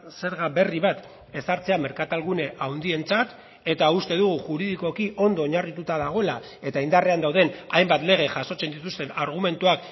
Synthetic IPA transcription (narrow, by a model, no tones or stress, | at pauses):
se̞ɾɣaβe̞riβat̪ | e̞saɾt͡se̞ame̞ɾkat̪alɣ̞une̞ʔawnd̪ie̞nt͡sat̪ | e̞t̪aust̪e̞ðuɣuʝuɾiðiko̞kiʔo̞nd̪o̞ːɲarit̪ut̪að̞aɣ̞o̞ela | e̞t̪aind̪are̞and̪awð̞e̞najmbat̪le̞ɣ̞e̞ʝaso̞t͡se̞nd̪it̪ust̪e̞naɾɣ̞ume̞nt̪uak